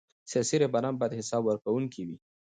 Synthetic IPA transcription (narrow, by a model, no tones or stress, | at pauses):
sjɑsiɾebaɾɑmbɑjad̪hɪsɑbwəɾkawuŋkiwi